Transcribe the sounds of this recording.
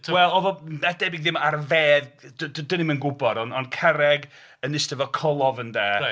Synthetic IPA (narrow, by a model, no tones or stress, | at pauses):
wɛlˠɔðɔad̥ɛbɪɡðɪmarveːðddənimənɡʊbɔdɔnɔnkʰɛɾɛɡ | ənɪstɛvɔkʰɔlˠɔvəndɛː